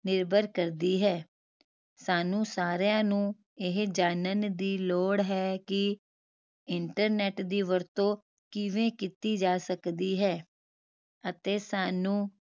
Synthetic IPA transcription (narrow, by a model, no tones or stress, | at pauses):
nɪɾbʱəɾkəɾd̪iːɦɛː | saːnũːsaːɾjãːnũː | ɪɦd͡ʒaːnənd̪iːloːɽɦɛːkɪ | ɪɳʈəɾnɛːʈd̪iːʋəɾt̪õː | kɪʋẽːkit̪iːd͡ʒaːsəkd̪iːɦɛː | ət̪eːsaːnũː